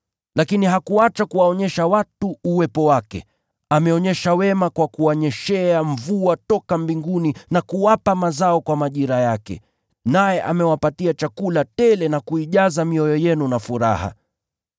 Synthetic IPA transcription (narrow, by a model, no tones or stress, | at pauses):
lakiniɦakuat͡ʃakuwaɔɲɛʃawatuːwɛpɔwakɛ̰ | amɛɔɲɛʃawɛmakwakuwaɲɛʃɛaɱvuatɔkambiŋɡuninakuwapamazaɔkwamaʄiɾajakɛ̰ | najɛʔamɛwapatiat͡ʃakulatɛlɛnakuiʄazamiɔjɔjɛnunafuɾa̰ha̰